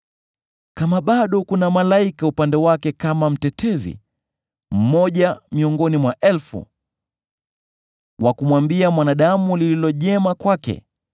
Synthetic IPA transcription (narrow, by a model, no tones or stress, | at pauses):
kamaɓaɗɔkunamalaikaupandɛwakɛkamam̩tɛtʰɛzḭ | m̩mɔʄamiɔŋɡɔnimwaʔɛlfṵ | wʔakumwambiamwanaɗamulililɔʄɛmakwakɛ̰